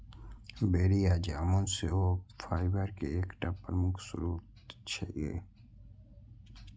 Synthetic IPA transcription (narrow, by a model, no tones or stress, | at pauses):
beːɾijaːd͡ʒaːmõnseofʰaːɪbəɾkeeːkʈapːəɾmʊksʊ̰ɾuːt̪t͡ʃʰaiḛː